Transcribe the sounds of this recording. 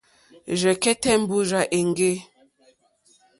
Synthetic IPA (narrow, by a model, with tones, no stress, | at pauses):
ʒɛ˨kɛ˦tɛ˦m̩˦bu˦ʒa˨ʔe˨ŋ˦ɡe˦